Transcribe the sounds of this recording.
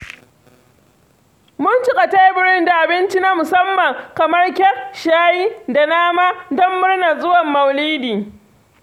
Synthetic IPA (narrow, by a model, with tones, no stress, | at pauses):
mʊ˦ntʊ˦kʼa˨ta˦jbɪ˦ɽɪ˦nda˨ʔa˨bɪ˦nt͡ʃi˦naː˦mʊ˨sɐ˦mːɐ˨ŋkɐ˨mɐ˦rkʲɛ˦ʃaː˦ji˦da˨naː˦maː˦dɔ˦mːʊ˦ɽna˨zʊ˦wɐ˨mːɐ˨wliː˦diː˨